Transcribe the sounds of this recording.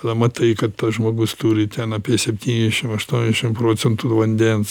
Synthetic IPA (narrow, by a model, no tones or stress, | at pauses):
lɐmɐt̪ɐɪkɐt̪t̪ɐsʒmoːɡʊst̪uːɾʲɪt̪ʲɛnɐpʲiɛsʲɛpʲt̪ʲiːnʲzʲd̪ʲɛʃʲɪmɐʃt̪uɔnʲzʲd̪ʲɛʃʲɪmpɾoːt͡sʲɛnt̪ʊʋɐnʲd̪ʲɛns